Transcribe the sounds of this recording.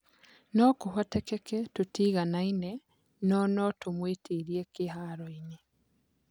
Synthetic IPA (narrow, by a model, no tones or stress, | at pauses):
nɔkohwatɛkɛkɛtotiːɣanainɛ | nɔnɔtomwetʰiɾiɛkehaɾɔiɲe